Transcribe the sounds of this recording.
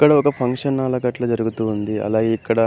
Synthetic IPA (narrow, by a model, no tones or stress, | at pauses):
kːɐɽɐɔkɐpʰɐŋkʂɐnːaːlɐkɐʈlɐːd͡ʒɐɾuɡut̪uːnd̪iɐ̰laːɡeːikːɐɽɐ